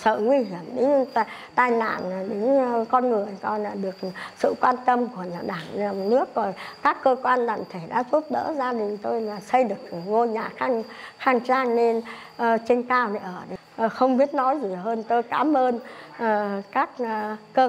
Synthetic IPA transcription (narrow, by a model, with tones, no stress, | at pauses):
sə̰ː˧˨ŋwi˧ɦi˧˩əmɗe˨˦˧t̪aː˧jna̰ː˧˨n˨˩ɗɨ˨˦ŋkɔ˧nŋɨ˨˩əjkɔ˧nlaː˨˩ɗɨ˨˩ək̚sɨ̰˧˨kwaː˧nt̪ə˧mku˧˩əa˨˩ɗaː˧˩ŋ˨˩nɨ˦˥ək̚ːɔ˨˩jkaː˦˥kːəː˧kwaː˧nɗa̰ː˧˨˩ŋt̪ʰe˧˩ɗa̰ː˧˥zu˦˥t̚ɗə̰ː˧˥zaː˧ɗï˨˩ŋ̟t̪o˧jlaː˨˩sə˧jɗɨ˨˩ək̚ŋo˧ɲaː˨˩xaː˧ŋ | xaː˧˩ŋt͡ɕaː˧ŋne˧n | ʔə˨˩t͡ɕe˧nkaː˧wne˨˦ʔəː˧˩ɗe˨˦˨xə˧wŋ͡mɓi˦˥ət̚nɔ˨˦jzi˨˩ɦəː˧nt̪o˧jkaː˨˦mʔəː˧nəː˨˩kaː˦˥k̚ːəː˧